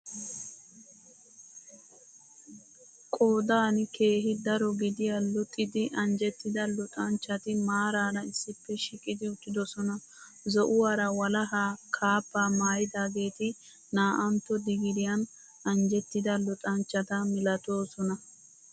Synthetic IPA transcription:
kʼo̞ːd̪aːnkʰe̞ːɦɪd̪ɐɾɔɡɪd̪ɪjɐlʊt̪ʼːɪd̪ɪʔɐnd͡ʒɛt̪ːɪd̪ɐlʊt̪ʼɐnt͡ʃːɐt̪ɪmaːɾaːnɐɪsːɪpːɛʃɪkʼːɪd̪ɪʊt̪ːɪd̪ɔsɔnɐ | zɔʔʊwaːɾɐwɐlɐɦaːkʰaːpːaːmaːjɪd̪aːɡe̞ːt̪ɪ | naːʔɐnt̪ːɔd̪ɪɡɪd̪ɪjɐn | ɐnd͡ʒɛt̪ːɪd̪ɐlʊt̪ʼɐnt͡ʃːɐt̪ɐmɪlɐt̪o̞ːsɔnɐ

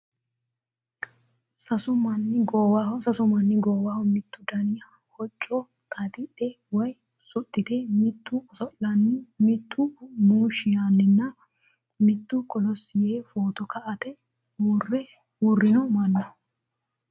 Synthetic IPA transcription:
sɐsʊmɐnːɪɡɔwawsɐsʊmɐnːɪɡɔːwaːwmɪt̪ːʊd̪ɐnɪjɐ | hɔt͡ʃʼːɔ | t̪ʰʼɐt̪ɪᶑɛ | wɐj | sʊt̪ʼːɪt̪emɪt̪ːʊsɔʔlɐnːɪmɪt̪ʰːʊmuːʃɪjanːɪnːɐ | mɪt̪ːʊkʼɔlɔsɪjeːfoːt̪ɔkʰɐʔɐt̪ɛ | wʊrɛ | wʊrːɪnɔmɐnːɐ

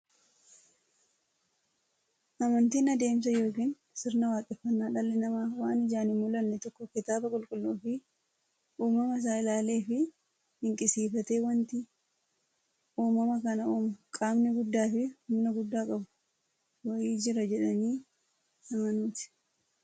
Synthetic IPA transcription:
ʔɐmɐnt̪iːnɐd̪e̞ːms̬ɐjo̞ːkiːn | sɪɾnɐwaːkʼɛfːɐnːaːᶑɐlːɛnɐmaːwaːnɪd͡ʒaːnɪmːʊlɐnːɛt̪ɔkːɔkɪt̪aːbɐkʼʊlkʼʊlːoːfɪ | ʔuːmɐmɐs̬aːɪlaːle̞ːfɪ | hɪŋkʼɪsiːfɐt̪e̞ːwɐnt̪ɪ | ʔuːmɐmɐkɐnɐuːmʊkʼaːmnɪɡʊd̪ːaːfɪhʊmnɐɡʊd̪ːaːkʼɐbʊ̥ | wɐjiːd͡ʒɪɾɐd͡ʒɛᶑɐniː | ɐmɐnuːt̪ɪ̥

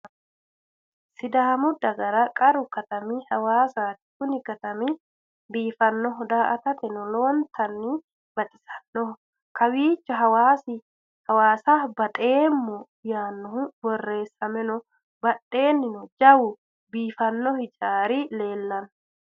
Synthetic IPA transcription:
sɪd̪aːmʊd̪ːɐɡɐɾɐkʼɐɾʊkɐt̪ɐmihɐwaːsaːt̪ɪ̥kʊnɪkɐt̪ɐmi | biːfɐnːɔɦɔd̪aːʔɐt̪ɐt̪ɛnɔloːnt̪ɐnːi | b̥ɐt̪ʼɪsɐ̥nːɔ | kɐwiːt͡ʃːɐɦɐwaːsɪ | hɐwaːsaːbɐt̪ʼe̞ːmːɔ | jaːnːɔhʊbɔrːe̞ːsːɐmɛnɔ | bɐᶑe̞ːnːɪnɔd͡ʒɐwʊ | biːfɐnːɔhɪt͡ʃʼaːɾile̞ːlːɐn

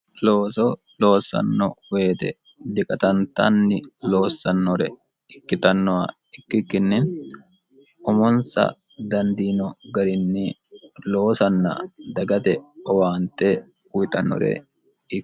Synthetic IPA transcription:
lo̞ːsɔ | lo̞ːsːɐ̰nːɔ̰we̞ːt̪ɛ̰ | d̪ɪkʼɐt̪ɐnt̪ɐ̰nːɪlo̞ːsːɐnːɔɾɛ | ɪkːɪt̪ɐnːɔwa | ɪkːɪkːɪnːɪn | ʔɔmɔnsɐ̰ | d̪ɐnd̪iːnɔɡɐɾɪnːɪ | lo̞ːsɐnːɐ̰d̪ɐɡɐt̪ɛɔwaːnt̪e | ʊjt̪ɐnːɔ̰ɾɛ̰ | ɪkː

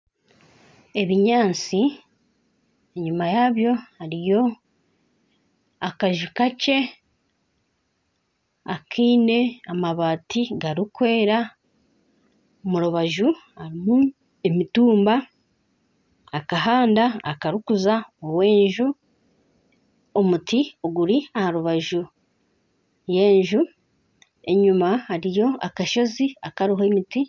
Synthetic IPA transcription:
e̞βiɲaːnt͡si | eɲumajaβjo̞haɾijo̞ | akaʒukace̞ | akʰiːne̞amaβaːtiɡaɾikwe̞ːɾa | omuɾuβaʒuhaɾimu | emituːmba | kaɦaːndaːkaɾukuzaowe̞ːɲʒu | omutioɡuɾiahaɾuβaʒu | je̞ːɲʒu | e̞ɲumahaɾijo̞a̰kaʃo̞ziakaɾiɦoemiti

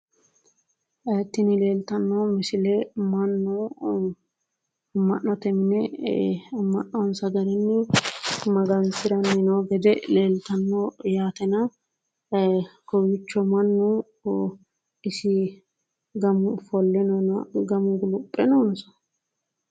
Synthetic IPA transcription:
ɛt̪ːɪnɪleːlt̪ɐnːɔmɪsɪlɛmɐnːɔ | mɐnːɔt̪ɛmnɛ | mɐʔːɔnsɐɡɐɾɛnːɛ | mɐɡɐnsɪɾɐnːɪnɔɡɛd̪ɛleːlt̪ɐnːɔjaːt̪ɛnɐ | kɔwɪt͡ʃːɔmɐnːu | ɪsɪ | ɡɐmʊfɔlːɛnɔnɡɐmʊɡʊlʊpʼːɛnoːnsɐ̥

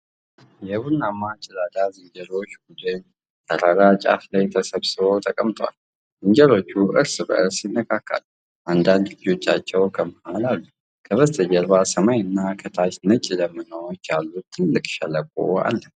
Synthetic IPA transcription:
jɛβunːamat͡ʃʼɪlad̪azɨɲd͡ʒəɾo̞t͡ʃːɡud̪ən | t̪ʰəɾaɾat͡ʃʼa̰flajt̪ʰəsəβsɨβo̞t̪ʰəkʼəmt̪ʰoa̰l | zɨɲd͡ʒəɾo̞t͡ʃːuʔɨɾsbə̰ʔɨɾsjɪnːəkʰakʰːə̰l | ʔand̪and̪lɨd͡ʒo̞t͡ʃːat͡ʃːɛwkʰəməhalalːu | kʰəβəst̪ʰʼəd͡ʒəɾbasəmajɨnːakʰət̪ʰat͡ʃnət͡ʃʼiləmːɨnəwot͡ʃːjalːut̪ʰːɨlːɨkʼʃɛləkʼo̰a̰lːə

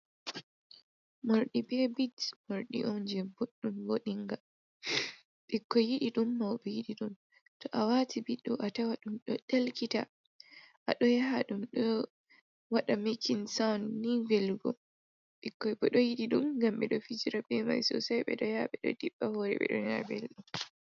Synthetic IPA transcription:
moɾɗibɛbidmoɾɗḭʔɔnd͡ʒɛboɗːumwoɗiŋɡa | ɓɛkːɔjiɗiɗumːawɓɛjiɗiɗum | tɔʔawatʰibiɗːɔʔatawaɗumɗɔɗɛlkita̰ | ʔa̰ɗɔjaɦaɗumɗɔ | waɗamekʰinsawnːivɛlɡɔ̰ | ɓikːɔbɔɗɔjiɗiɗumɡamɓɛɗɔfid͡ʒiɾabɛma̰jsɔ̰sajɓɛ̰ɗɔjaɓɛɗɔ̰diɓːahoːɾɛ̰ɓɛ̰ɗɔ̰jabɛlɗum

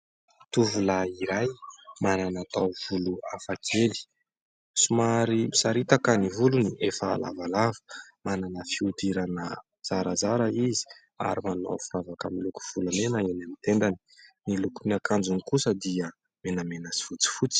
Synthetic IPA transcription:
t̪uvulaiɾajmananat̪awv̥uluafakʰeli̥ | sumaɾimisaɾit̪akənivuluniefa̰ːla̰valavə̥mananəfiud̪iɾanə | z̥aɾazaɾaizi̥ | a̰ɾimano̰fuɾavakamiluku̥v̥ulamenaenamit̪end̪ani̥nilukuniakand͡zunikusəd̪ia | menəmenəsi̥fut͡si̥fut͡si̥

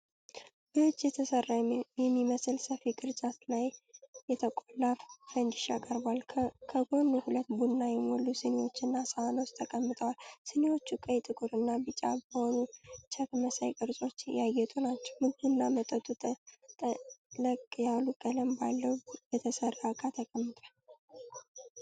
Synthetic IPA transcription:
bəwot͡ʃːjɛt̪ʰəsərːajɛmːiməsɨlsəfiɡʼɨɾt͡ʃʼat̪lajːɛt̪ʰəkʼolːaffənd̪ɪʃakʼəɾbalkʰəɡonːuhulət̪bunːajɛmolːusɨnewo̞t͡ʃːɨnːasəwano̞t͡ʃt̪ʰəkʼəmːɨt̪ʼəwalsɨnewo̞t͡ʃːukʼəjt̪ʼɨkʼuɾɨnːabɨt͡ʃʼːa̰bəho̞nut͡ʃʰat̪məsa̰jkʼɨɾsʼo̞t͡ʃːjajːɛt̪ʼonat͡ʃːɛwmɨnbunːamət̪ʼət̪ʼu | ləkʼːjalukʼələmba̰lːəwbɛt̪ʰəsəɾːakʼat̪ʰəkʼəmːɨt̪ʼal

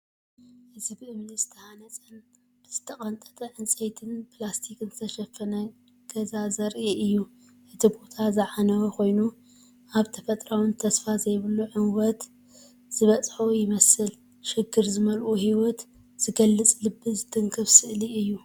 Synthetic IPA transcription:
hɨzbʔɨβlizɨt̪ʰɐhanɐt͡sʼɐn | z̥ɨt̪ʰɐkʼɐnt̪ʼɐ̥t̪ʼɐʕɨnt͡sʼejt̪ʰɨnpʰlast̪ʰikɨnzɨt̪ʰɐʃɐfɐnɐ | ɡ̥ɐzazɐɾʔiʔɨjːu | ʔɨt̪ʰibo̞t̪ʰazɨʕanɐwɐko̞jnu | ʔaβt̪ʰɐfɐt̪ʼɾawɨnt̪ʰɐsfazɐjβɨlːuʕɨnwɔt̪ | z̥ɨβɐt͡sʼħojɪmɐsɨl | ʃɪɡːɨɾzɨmɐlʔuhiwɔt̪ | z̥ɨɡɐlːɨt͡sʼlɨbːɨzɨd̪ʰɨŋkʰɨβsɨʔliɨjːu

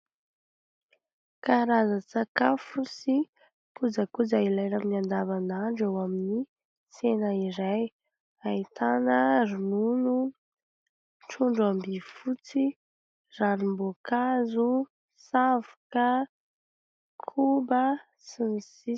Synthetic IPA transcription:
kaɾazət͡sakafusi | kud͡zakud͡zailajɾaminiand̪avanaɳɖ͡ʐawamini | senəiɾaj | ait̪ʰanəɾununu | ʈ͡ʂuɳɖ͡ʐambifut͡si | ranimbokazu | savakə | kʰubə | sinisi

